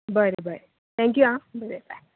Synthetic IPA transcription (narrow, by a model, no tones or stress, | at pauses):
bəɾebəɾe | t̪ʰɛ̃ŋk̬juãbəɾeba